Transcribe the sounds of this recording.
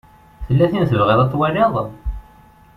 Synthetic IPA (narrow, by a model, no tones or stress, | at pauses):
θəlːæθinθəvʁælɑt̪ˤːwæleðˤ